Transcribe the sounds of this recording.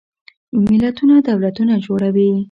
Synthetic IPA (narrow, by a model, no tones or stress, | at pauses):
mɪlat̪unad̪awlat̪unad͡ʒoɽawi